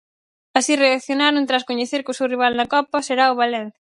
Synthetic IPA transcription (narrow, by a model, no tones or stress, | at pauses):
asireakθjonaɾʊnt̪ɾaskoɲeθeɾkʊsewriβ̞alnɐkɔpɐseɾaoβalẽn̟θjɐ